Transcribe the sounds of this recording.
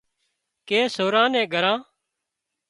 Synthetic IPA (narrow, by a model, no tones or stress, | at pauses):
keːsoːɾãːnɛ̃ːɡʱəɾãː